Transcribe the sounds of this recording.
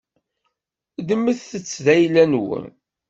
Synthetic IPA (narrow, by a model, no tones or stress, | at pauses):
ðəmːəθθət͡sːðæjlænwə̰n